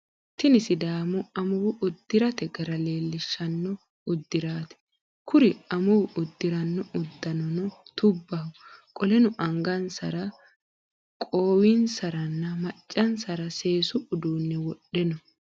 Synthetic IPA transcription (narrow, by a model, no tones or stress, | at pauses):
t̪ɪnɪsɪd̪aːmʊɐmʊwʊʔʊd̪ːɪɾɐt̪ɛɡɐɾɐle̞ːlːɪʃːɐnːɔ | ʊd̪ːɪɾaːt̪ɛ̥ | kʊɾɪɐmʊwʊʔʊd̪ːɪɾɐnːɔʊd̪ːɐnɔnɔt̪ʊbːɐʊkʼɔlɛnʊʔɐŋɡɐnsɐɾɐ | kʼoːwinsɐɾɐnːɐmɐt͡ʃʼːɐnsɐɾɐse̞ːsʊʔʊd̪uːnːɛwɔɗːɛnɔ